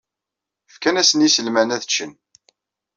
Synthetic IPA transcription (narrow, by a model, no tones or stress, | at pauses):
fkænæsənjisəlmænæðət͡ʃːən